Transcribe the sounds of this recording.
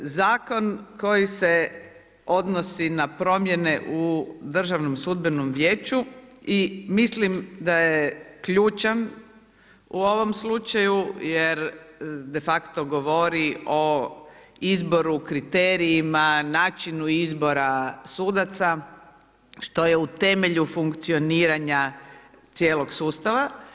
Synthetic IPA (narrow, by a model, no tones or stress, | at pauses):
zaːko̞nko̞jise̞ | o̞d̪nosinapɾo̞mje̞ne̞ʔud̪r̩ʒaʋnomsud̪benomʋjeːt͡ʃuimislimd̪ajekʎuːt͡ʃan | uo̞ʋo̞mslut͡ʃajujeɾd̪e̞fakt̪oɡo̞ʋo̞ɾio̞ | izbo̞ɾukɾit̪eɾiːmanaːt͡ʃinuizbo̞ɾasuːd̪at̪sa | ʃt̪o̞jeut̪e̞me̞ʎufuŋkt̪sioniːɾaɲa | t̪jeːlo̞ɡsuːst̪aʋa